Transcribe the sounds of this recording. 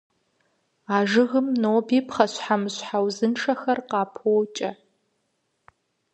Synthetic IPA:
aːʒɨɣɨmnoːbiːpχɐɕħamɨɕħawzɨnʈ͡ʂʰɐxɐrqɑːpʰowt͡ʃʼɐ

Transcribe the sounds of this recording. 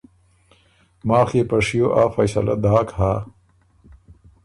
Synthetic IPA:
maːxeːpɐʂijoʔaːfɐjsɐ̰lɐ̰d̪aːkhaː

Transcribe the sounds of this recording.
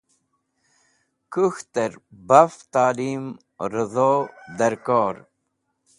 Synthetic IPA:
kuxt̪əɾbaft̪aːlim | ɾəzoːd̪ɐɾkoːɾ

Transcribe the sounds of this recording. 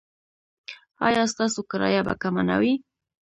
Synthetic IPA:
ɑ̰jɑst̪ɑsokaɾɑ̰jaba̰kamana̰wi

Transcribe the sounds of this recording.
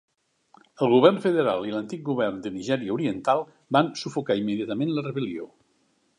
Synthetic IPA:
əlˠɣuβɛrnfəðəɾa̰lˠilənt̪ik̚ɡuβɛrnd̪əniʒɛɾiəuɾiənt̪alˠ | bansufukaimːəðiat̪əmenlərəβəlio

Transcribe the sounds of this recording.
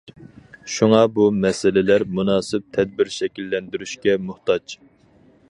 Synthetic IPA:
ʃuŋɑbumɛsɪlɪlæɾmunɑːsɪp̚t̪ʰɛd̪̚bɪɾʃɛkʲilːɛnd̪yɾyʃkʲɛmuht̪ɑt͡ʃ

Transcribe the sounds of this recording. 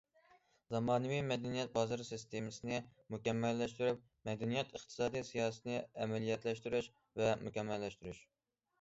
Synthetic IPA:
zɑmɑːnɨwijmɛd̪ɛnijɛt̪̚bɑːzɨɾsist̪emɨsɨnɪmukʲɛmːɛlːɛʃt̪yɾyp̚ | mɛd̪ɛnijɛt̪ʰəχt̪ʰɨ̥sɑːd̪ijsijɑːsɨ̥t̪nɨɛmɛlijɛt̪lɛʃt̪yɾyʃ | vɛmukʲɛmːɛlːɛʃt̪yɾyʃ

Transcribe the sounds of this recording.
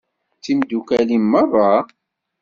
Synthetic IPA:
t͡sːimd̪ukælimːərˤːɑ

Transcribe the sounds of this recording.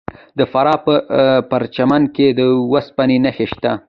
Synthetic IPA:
d̪əfaɾɑpəpaɾt͡ʃamanked̪əwaspanenaxeʃt̪a

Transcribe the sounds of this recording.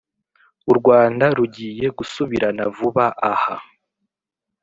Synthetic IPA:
uɾɡwaːndaɾuɟiːje̞ɡusuβiɾanavuβaʔaha

